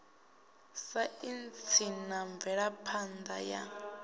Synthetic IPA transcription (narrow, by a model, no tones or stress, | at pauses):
saint͡sʰinaɱvɛɺapʰand̪a̰ja̰